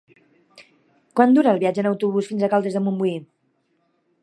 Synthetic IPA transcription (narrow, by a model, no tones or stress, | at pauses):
kwand̪uɾəːlˠβiad͡ʒənəwt̪uβ̞usfinzəkalˠd̪ezðəmumbui